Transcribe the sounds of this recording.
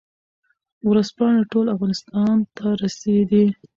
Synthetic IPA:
wɾəspɑɳeʈolafɣɑnɪst̪ɑnt̪ʰaɾased̪i

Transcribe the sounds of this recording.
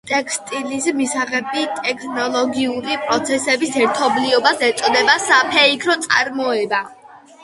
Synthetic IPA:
t̪ʼɛkʰst̪ʼilismisaʁɛbit̪ʼɛkʰnɔlˠɔɡiuɾipʼɾɔt̪sʰɛsɛbisɛɾt̪ʰɔbliɔbasɛt̪sʼɔd̪ɛbasapʰɛikʰɾɔt̪sʼa̰ɾmɔɛba

